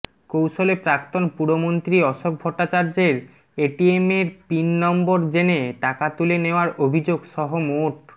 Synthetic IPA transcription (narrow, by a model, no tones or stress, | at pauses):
kowʃolepɾak̚t̪onpuɾɽomont̪ɾiɔʃok̚bʱɔʈːat͡ɕaɾd͡ʑeɾ | eʈiemeɾpinːɔmboɾd͡ʑeneʈakat̪uleneoaɾʔobʱid͡ʑoɡʃɔɦomoʈ̚